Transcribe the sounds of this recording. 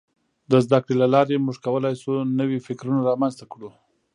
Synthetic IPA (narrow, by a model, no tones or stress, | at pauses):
d̪əzd̪akɽelalɑɾemuʐkawəlɑjsunəwifɪkɾunaɾɑmanzt̪akɽu